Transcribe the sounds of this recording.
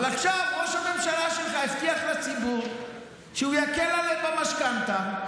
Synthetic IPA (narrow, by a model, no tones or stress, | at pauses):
laχʃavʁoʃamemʃalaʃelχaeft̪iaχlat͡sibuʁ | ʃeujakelalevbamaʃkant̪a